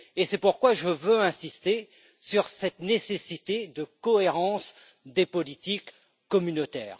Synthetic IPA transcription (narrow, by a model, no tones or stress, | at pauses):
esɛpuʁkwaʒəvøɛ̃sist̪e | syʁsɛt̪nesesit̪ed̪əkɔeʁɑ̃s | d̪epɔlit̪ikː | ɔmynot̪ɛ̰ːʁ